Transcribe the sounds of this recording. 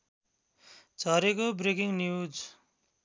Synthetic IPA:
d͡zʱʌɾekobrekiŋnjud͡z

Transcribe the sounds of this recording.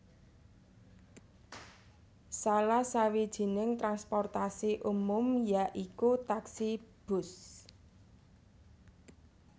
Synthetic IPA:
salahsawid̥ʒ̥i̤nɪŋt̪ɾanspɔrt̪asiʔumʊmjaʔikut̪aksib̥ʊs

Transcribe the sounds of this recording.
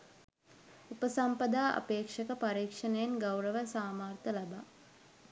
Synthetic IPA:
upəsampɐd̪aːʔɐ̰peːkʂɐkəpaɾiːkʂənejenɡawɾəʋəsaːmaːrt̪əlabaː

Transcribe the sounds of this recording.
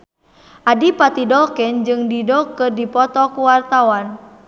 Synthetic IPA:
ʔadipat̪idɔkɛnd͡ʒɨŋdidɔkɨrdipɔt̪ɔkuwart̪awan

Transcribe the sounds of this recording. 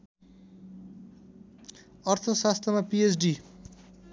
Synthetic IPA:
ʌrt̪ʰʌsast̪ʰʌmapiesɖi

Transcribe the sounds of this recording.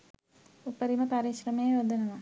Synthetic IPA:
upːɐɾimɐpɐɾiɕrɐmeːʋɐd̪ʱːɐnɐmɐ

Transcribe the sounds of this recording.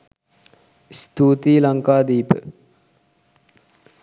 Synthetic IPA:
st̪uːt̪iːlaŋkaːd̪iːpə̰

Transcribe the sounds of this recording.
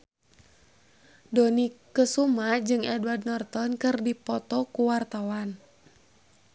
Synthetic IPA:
dɔnikəsumad͡ʒɨŋʔɛdwardnɔrt̪ɔnkɨrdipɔt̪ɔkuwart̪awan

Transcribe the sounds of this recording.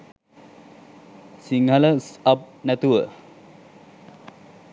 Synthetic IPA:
siŋɦələsɐp̚næt̪uʋə

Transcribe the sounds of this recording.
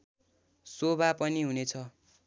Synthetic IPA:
sobapʌniɦunet͡sʰʌ

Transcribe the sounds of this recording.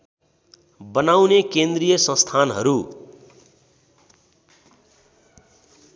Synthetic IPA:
bʌnawnekend̪rijʌsʌ̃st̪ʰanɦʌ̰ɾu

